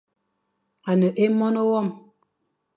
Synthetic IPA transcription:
a˨nə˨ʔe˦mɔ˦no˦wɔ˦˨m

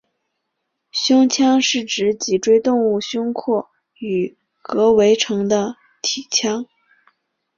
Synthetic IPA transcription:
ɕjʊ˥ŋt͡ɕʰjɑ˥ŋʂɻ̩˥˩ʈ͡ʂɻ̩˧˥t͡ɕi˨˩ʈ͡ʂwe˥ɪt̪ʊ˥˧ŋu˥˩ɕjʊ˥ŋkʰɔ˥˩ | y˨˩ | kɤ˧˥we˧˥ɪʈ͡ʂʰɤ˧˥ŋd̪ə˧ | t̪ʰi˨˩t͡ɕʰjɑ˥ŋ

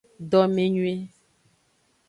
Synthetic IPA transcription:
ɖɔ˨mẽ˨ɲũ˦e˦

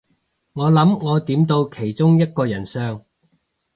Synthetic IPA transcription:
ŋɔː˨˧lɐ˨˥mŋɔː˨˧t̪iː˨˥mt̪o˧wkʰe˨˩jt͡sʊ˥ŋjɐ˥t̚kɔː˧jɐ˨˩nsœː˧ŋ

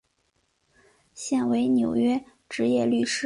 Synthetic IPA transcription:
ɕjɛ˥˩nwe˧˥ɪnjo˨˩ʊɥɛ˥ | ʈ͡ʂɻ̩˧˥jɛ˥˧ly˥˩ʂɻ̩˥

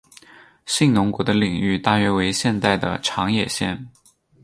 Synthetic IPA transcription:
ɕi˥˩ŋnʊ˧˥ŋkwɔ˧˥d̪ə˧li˨˩ŋy˥˧t̪a˥˩ɥɛ˧˥we˧˥ɪɕjɛ˥˧nt̪a˥˩ɪd̪ə̰˩ʈ͡ʂʰɑ˧˥ŋjɛ˨˩ɕjɛ̰˥˩n

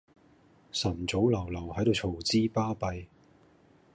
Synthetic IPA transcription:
sɐ˨˩nt͡so˨˥wlɐ˨˩wlɐ˨˩whɐ˨˥jt̪o˧wt͡ʃʰo˨˩wt͡siː˥paː˥pɐ˧j

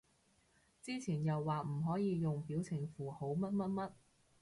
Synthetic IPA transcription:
t͡siː˥t͡sʰiː˨˩njɐ˨wːaː˨m̩˨˩ɦɔː˨˥jiː˨˧jʊ˨ŋpiː˨˥wt͡sʰɪ˨˩ŋfuː˨˩ho˨˥wmɐ˥t̚mɐ˥t̚mɐ˥t̚

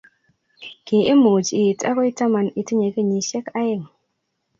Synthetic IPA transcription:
ɡ̥i˨ʔi˦mu˨d͡ʒi˨ta̰˦ko˦i˦ta˦ma˨ni˨ti˦ɲe˨ki˦ɲi˨ʃe˦ka˦jə˦˨ŋ

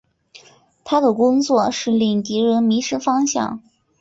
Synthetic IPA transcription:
t̪ʰa˥d̪ə˨kʊ˥ŋt͡swɔ˥˧˩ʂɻ̩˥˧li˥˩ŋt̪i˧˥ɻə˧˥nmi˧˥ʂɻ̩˥fɑ˥ŋɕjɑ̰˥˩ŋ

